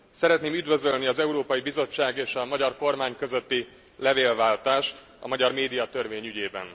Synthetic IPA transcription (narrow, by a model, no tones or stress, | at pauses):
sɛɾɛt̪neːmyd̪vø̞zølniɒzɛuɾoːpɒjibizo̞t͡ʃːaːɡeːʃɒmɒɟɒrko̞rmaːɲkøzøt̪ːi | lɛveːlvaːlt̪aːʃt̪ | ɒ̰mɒɟɒrmeːd̪ijɒt̪ørveːɲyɟeːbɛ̰n